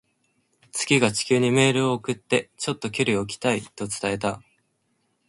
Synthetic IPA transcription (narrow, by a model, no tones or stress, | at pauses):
t͡sɨ̥ɡʲiɡat͡ɕi̥kʲɨːɲ̟ime̞ːɾɯ̟o̞ːkɯ̟t̪ːe̞t͡ɕo̞t̪ːo̞kʲoɾʲio̞k̬ʲi̥t̪ait̪o̞t͡sɨ̥t̪ae̞t̪a